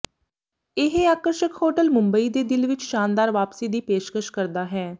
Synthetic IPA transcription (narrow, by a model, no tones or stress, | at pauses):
ɪɦeaːkəɾʃəkhoːʈəlmʊ̃mbəiːd̪eːd̪ɪlʋɪt͡ʃʃaːnd̪aːɾʋaːpsiːd̪iːpeːʃkəʃkəɾd̪aːɦɛː